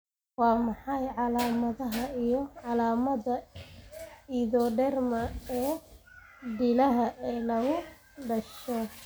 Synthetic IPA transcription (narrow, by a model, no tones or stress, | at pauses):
wɑːmɑħɑjʕɑlaːmɐðɐɦɐijɔʕɑlaːmɐðɐ | iðɔɖɛrmɐɛː | ɖɪlɐɦɐʔɛnɐɣʊ | ɖɐʃɔ